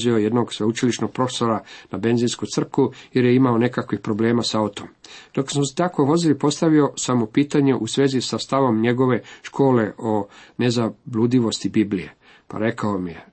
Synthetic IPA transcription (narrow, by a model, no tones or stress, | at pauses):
zio̞jed̪no̞ɡsʋeut͡ʃiliʃno̞ɡ̥̚pɾo̞fe̥so̞ɾanabe̞nziːnskur̩kujeɾjeimao̞ne̞kakʋixpɾo̞ble̞ːmasao̞t̪omd̪̥o̞ksamst̪akoʋo̞zilipo̞st̪aʋio̞samopiːt̪aɲe̞ʔusʋe̞ːzisast̪aʋo̞mɲe̞ɡo̞ʋe̞ʃkʰo̞ːle̞ʔo̞ne̞zablud̪iʋo̞st̪ibiːblije̞̰ | pa̰ɾe̞kaomije